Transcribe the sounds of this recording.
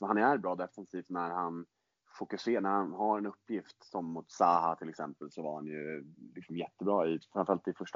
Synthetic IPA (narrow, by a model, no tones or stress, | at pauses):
ɔhanæɾbɾɑːd̪ɛfɛnsiːft̪næɾhan | fʊkɵseːɳæɾhanɦaɾɛnɵpːjɪft̪sɔmːʊt̪saːhat̪ʰɪlɛksɛmpəlsɔvaɾhanjɵlɪksɔmjɛt̪ːəbɾɑːɪfɾanfɾalt̪ɪfɵʂʈ